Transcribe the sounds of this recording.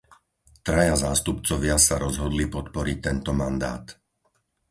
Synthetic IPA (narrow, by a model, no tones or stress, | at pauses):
t̪ɾajazaːst̪upt͡sɔʋɪasaɾɔzɦɔd̪lipɔt̪pɔɾic̚t̪ɛnt̪ɔmand̪a̰ːt̪